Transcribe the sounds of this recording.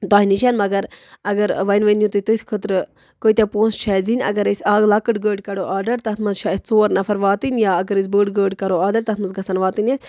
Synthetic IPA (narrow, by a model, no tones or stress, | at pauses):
t̪aːɦinit͡ʃʰɐnmɐɡɐɾɐɡɐɾʋɐnʋɐnjũt̪ut̪ɨt̪ʰʲkʰət̪ɾɨ | koit̪ʲepoːnst͡ʃʰazinʲɐ̰ɡɐɾesʲaːɡlaːkɨɖɡəːɖkɐɽoʔaːɖɐɾt̪ɐt̪ʰmɐzt͡ʃʰasʲt͡soːɾnɐfʰɐɾʋaːt̪inʲjaːɐɡɐɾes̬ʲbəːɖɡəːɖkɐɾoaːd̪ɐɾt̪ɐt̪ʰmɐzɡɐsɐnʋaːt̪inʲesʲ